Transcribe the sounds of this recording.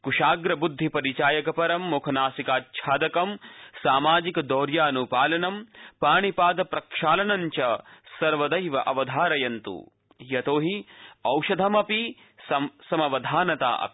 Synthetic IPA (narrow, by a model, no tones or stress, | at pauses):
kuʃaːɡɾɐbud̪ʱːipɐɾit͡ʃaːjɐkɐpɐɾɐmːukʰɐnaːsikaːt̪̚t͡ʃʰaːd̪ɐkɐmsaːmaːd͡ʒikɐd̪ɔːɾjaːnupaːlɐnɐmpaːɳipaːd̪ɐpɾɐkʂaːlɐnɐɲt͡ʃɐsɐɾʋɐd̪ɐjʋɐʔɐʋɐd̪ʱaːɾɐjɐnt̪ṵ | jɐt̪oːɦiɐwʃɐd̪ʱɐmɐpi | sɐsɐmɐʋɐd̪ʱaːnɐt̪a̰ːʔɐ̰pi̥